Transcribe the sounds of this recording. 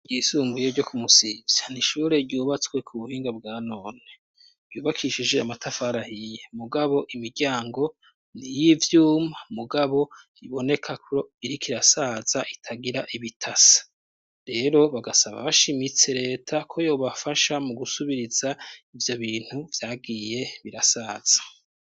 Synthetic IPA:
ɟiːsuːŋɡuje̞ɾɟo̞kumusivjaniʃuːɾe̞ɾɟuːβat͡swe̞kʰuβuhiːŋɡabɡaːno̞ːne̞ | ɾ̥ɟuːβakʰiʃid͡ʒe̞amatʰafaɾahijemuɡaβo̞ʔimiɾɟaːŋɡo̞ | nijivjuːmamuɡaβo̞ | iβo̞ne̞kʰakɾoiɾikʰiɾasaːz̥aʔitʰaɡiɾaʔiβitʰasḁ | ɾe̞ɾo̞βaɡasaβa̰βaʃimit͡se̞ɾe̞ːtʰakʰo̞jo̞ːβafaʃamuɡusuβiɾizaivjo̞βiːn̥huvjaːɡiːje̞βiɾasaːz̥ḁ

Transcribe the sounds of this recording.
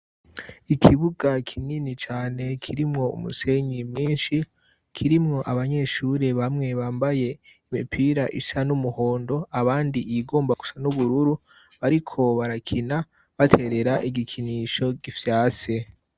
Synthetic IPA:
ikʰiβuɡakʰininit͡ʃaːne̞kʰiɾimŋo̞ṵmṵse̞ɲɡimɲiːnʃi | kʰiɾimŋo̞ʔaβaɲe̞ʃuɾe̞βamŋe̞βaːmbaje̞ | imipʰiɾaʔiʃanumuho̞ːndo̞aβaːndiiɡo̞ːmbaɡu̥sanuβuɾuɾu | βaɾikʰo̞βaɾakʰina | βatʰe̞ɾe̞ɾaʔiɡikʰiniʃo̞ɡivjaːse

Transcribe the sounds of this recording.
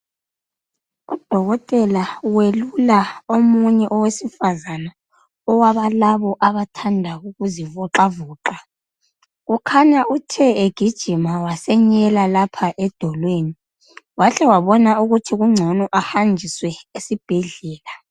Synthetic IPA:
ud̥ʱɔɣɔtʼɛlawelulaomuɲɛʔɔwesifazana | ɔwaβalaβɔʔaβatʰandʱaɣuɣuzivɔǁavuːǁa | ɣukʰaɲaʔutʰɛeɡ̥ʱid̥ʒ̥ʱimawasɛɲɛlalapʰaʔɛd̥ʱɔlweːni | waɬɛwaβɔnauɣutʰiɣuŋ͡ǀʱɔnɔʔahand͡ʒʱiswɛesib̥ʱɛɮɛːla

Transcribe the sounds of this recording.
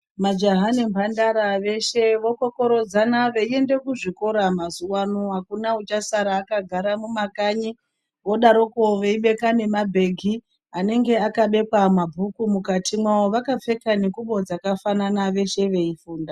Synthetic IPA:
mad͡ʒaɦane̞mpʰandaɾaʋe̞ʃe̞ʋo̞ko̞ko̞ɾo̞d͡zanaʋe̞ie̞nde̞kuʐiko̞ɾamazuwanoɦakunaut͡ʃasaɾaːkaɡʱaɾamumakaɲi | ʋo̞ɗaɾo̞koʋeiɓe̞kane̞mabʱe̞ɡʱi | ane̞ŋɡe̞akaɓe̞kwamabʱukumukatimwawo̞ʋakap͡fe̞kanekuɓo̞d͡zakafananaʋe̞ʃe̞ʋe̞ifuːnda

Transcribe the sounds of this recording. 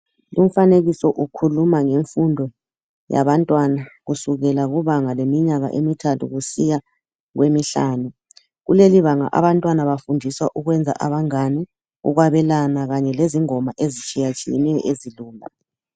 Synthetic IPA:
lum̩faneɣisɔʔukʰulumaŋeɱfundʱɔ | ja̰βantʼwanaɣusuɣɛlaɣuβaŋalemiɲaɣa̰ʔemitʰatʰṵɣusija | ɣwemiɬaːnu | ɣuleliβaŋa̰ʔa̰βantʼwanaβafundʱiswaʔuɣwɛnd͡zʱa̰ʔaβaŋani | ṵɣwaβɛlanaɣaɲɛleziŋɔmaʔezit͡ʃʼijat͡ʃʼijɛ̰nɛjɔ̰ʔeziluːma̰

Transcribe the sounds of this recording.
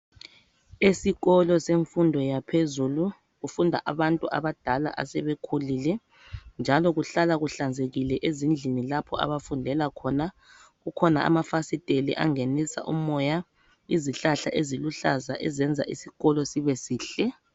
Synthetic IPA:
esiɣɔlɔseɱfundʱɔjapʰezulu | ɣufundʱa̰ʔaβantʼuʔa̰βad̥ʱala̰ʔa̰sɛβekʰulilɛ | nd͡ʒʱalɔɣuɬalaɣuɬand͡zʱeɣilɛʔezind͡ɮʱinilapʰɔa̰βafundʱɛlakʰɔna | ɣukʰɔnaa̰mafasitʼelḭʔa̰ŋenisa̰ʔumɔja | iziɬaɬa̰ʔeziluɬazaʔɛzɛnd͡zʱa̰ʔisiɣɔlɔsiβɛsiːɬɛ

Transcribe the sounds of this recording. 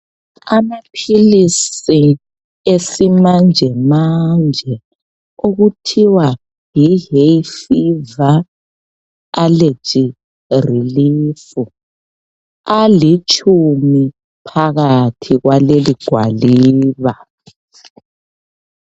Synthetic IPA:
amapʰilisi | esimand͡ʒʱɛmand͡ʒʱɛ | oɣutʰiwa | jiɦefiva | le̥t͡ʃʼi | riliːfu | alit͡ʃʼʰumi | pʰaɣatʰiɣwaleliɡ̥ʱwa̰liːβa

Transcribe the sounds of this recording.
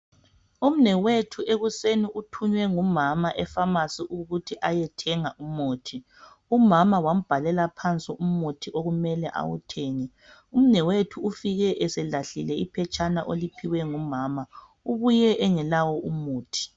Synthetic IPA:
um̩nɛwetʰuʔeɣuseniʔutʰuɲwɛŋumamaʔɛfamasiʔuɣutʰiʔajɛtʰɛŋaʔumoːtʰi | umamawam̩b̥ʱalɛlapʰant͡sʼiʔum̩motʰiʔoɣumɛlɛʔa̰wṵtʰeːŋɛ | um̩nɛwetʰuːfiɣɛʔɛsɛlaɬilɛipʰɛt͡ʃʼanaʔolipʰiwɛŋumaːma | uβujɛʔɛŋɛlawɔumoːtʰi̥

